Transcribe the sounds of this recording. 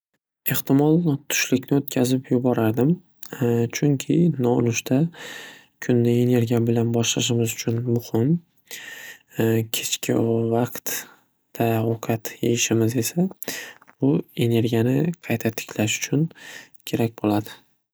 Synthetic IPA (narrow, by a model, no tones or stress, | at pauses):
e̞ht̪ɪmɒlˠt̪ʰʊ̥ʃlɪkʲnɪot̪kʲʰazɪpjʊbɒɾaɾd̪ɪm | t͡ʃʰʊŋkʲʰɪnɒʊ̰nɪʃt̪ʰa | kʲʰʊnːɪe̞ne̞ɾɡʲijabɪlanbɒʃlaʃ̬ɪmɪzʊt͡ʃʰʊnmʊhɪm | kʲʰe̞t͡ʃkʲʰɪ̰vɑqt̪ | d̪̥aoqʰɑt̪jejɪʃɪmɪze̞sa | b̥ʊe̞ne̞ɾɡʲijanɪqʰɑjt̪ʰat̪ʰɪ̥kʲʰlaʃʊ̥t͡ʃʰʊn | kʲʰe̞ɾak̚ʲbolad̪ɪ